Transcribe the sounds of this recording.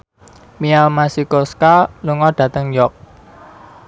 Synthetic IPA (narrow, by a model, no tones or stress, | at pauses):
mialmasikoskaluŋɔɖ̥ä̤t̪əŋjɔk̚